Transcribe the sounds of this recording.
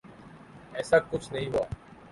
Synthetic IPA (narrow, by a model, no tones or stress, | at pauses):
ɛːsaːkʊt͡ʃʰnəɦĩːɦʊa̰ː